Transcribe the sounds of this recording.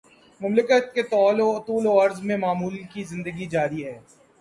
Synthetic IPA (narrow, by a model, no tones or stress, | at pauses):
mʊmlɪkət̪̚ket̪ɔːloɐt̪uːloːɐɾzmẽmaːmuːlkizɪ̃nd̪əɡid͡ʒaːɾiɦɛː